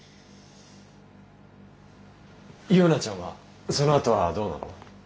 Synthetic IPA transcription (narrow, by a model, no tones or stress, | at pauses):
ionat͡ɕãɰ̃a̰ | so̞noat̪o̞βad̪o̞ːna̰no̰